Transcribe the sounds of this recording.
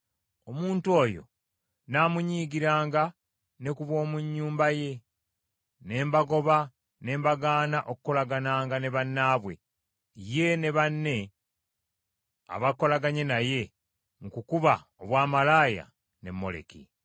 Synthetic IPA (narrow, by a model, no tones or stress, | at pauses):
omuːntuo̞ːjo̞̰ | naːmuɲiːɡiɾaːŋɡa | ne̞kuβwo̞ːmuɲːuːmbaje̞ | ne̞ːmbaɡo̞βa | ne̞ːmbaɡaːnaʔokuko̞laɡanaːŋɡane̞βanːaːβwe̞̰ | je̞ne̞βanːe̞ | a̰βako̞laɡaɲe̞naje̞ | ŋkukuβaoβwaːmalaːja̰ | ne̞mːo̞̰le̞̰kḭ